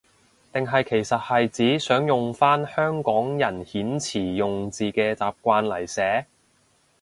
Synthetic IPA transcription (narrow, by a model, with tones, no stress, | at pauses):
t̪ɪ˨ŋɦɐ˨jkʰe˨˩jsɐ˨t̚hɐ˨jt͡siː˨˥sœː˨˥ŋjʊ˨ŋfaː˥nhœː˥ŋkɔː˨˥ŋjɐ˨˩nhiː˨˥nt͡sʰiː˨˩jʊ˨ŋt͡siː˨kɛː˧t͡saː˨p̚kʷaː˧nlɐ˨˩jsɛː˨˥